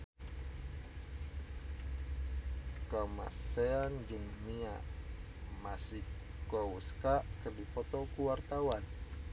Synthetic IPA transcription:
kəma̰seand͡ʒuŋmia | masih | kɔuskaʔkərdipɔt̪ɔkuwart̪awan

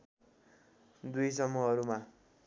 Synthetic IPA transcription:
d̪ujsʌmːuɦʌɾuma

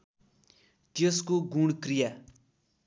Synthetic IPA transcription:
t̪eskoɡuɽkrija

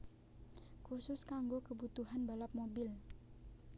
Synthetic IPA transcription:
kursʊskaŋɡokəbut̪uɦanbalap̚mobɪl

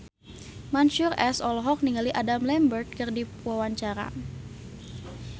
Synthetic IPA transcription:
manʃurɛsɔlɦɔk̚niŋɡaliʔadamlɛmbərt̪̚kɨrdi | wawaɲt͡ʃaɾa̰

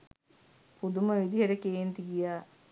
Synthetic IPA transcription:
pud̪uməʋid̪iɦeʈəkeːnt̪iɡijaː

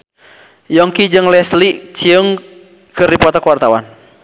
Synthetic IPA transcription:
jɔŋkid͡ʒɨŋlɛslit͡ʃiəŋ | kɨrdipɔt̪akuwart̪awa̰n

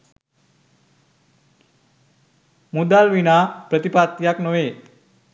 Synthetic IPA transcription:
mud̪alʋinaːpɾət̪ipat̪jaknoʋeː

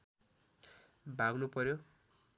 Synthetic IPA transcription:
bʱaɡnupʌɾjo

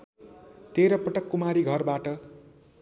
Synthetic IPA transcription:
t̪eɾʌpʌʈʌkːumaɾiɡʱʌrbaʈʌ

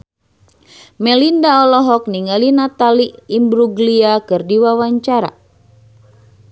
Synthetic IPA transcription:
mɛlindaɔlɔɦɔk̚niŋalinat̪aliimbɾuɡliakɨrdiwawaɲt͡ʃaɾa̰

